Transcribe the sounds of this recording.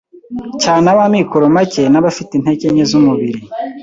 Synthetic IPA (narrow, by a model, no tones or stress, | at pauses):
caːnaβamikoɾomace̞naβafitin̥e̞ceɲezumuβiɾi